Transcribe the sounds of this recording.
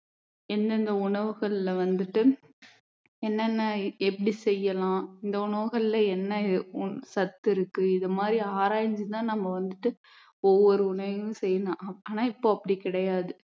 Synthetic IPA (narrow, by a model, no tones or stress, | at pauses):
ɛnd̪ɐnd̪ɐʊɳɐʋɯɣɐɭɪlɐʋɐnd̪ɯʈːɯ | ɛnːɐnːaɛpːɐɽisɛjːɐlãːɪnd̪ɐʊɳɐʋɯɣɐɭɪlɐɛnːɐsɐt̪ːɪɾɯkːɯɪðɐmaːd̪ɾiaːɾaːjɲd͡ʒit̪ãːnɐmːɐʋɐnd̪ɯʈːɯ | ɔʋːɔɾɯʊɳɐʋɯ̃sɛjːɐlãːaːnaːɪpːoːɐpːɐɽikɪɽɐjaːðɯ